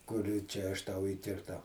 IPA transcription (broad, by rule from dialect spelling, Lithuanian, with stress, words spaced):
ˈkʊr ˈt͡ʃʲɛ ɐʃ ˈtɐʊ iːkʲɪrˈtɐʊ